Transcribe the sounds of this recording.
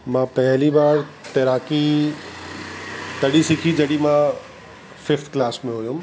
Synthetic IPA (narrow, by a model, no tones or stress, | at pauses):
mãːpɐɦɪliɓaːɾt̪ɐɾaːki | t̪ɐɗisɪkʰid͡ʑɐɗimãː | fɪft̪ʰklaːsmẽɦoːjũ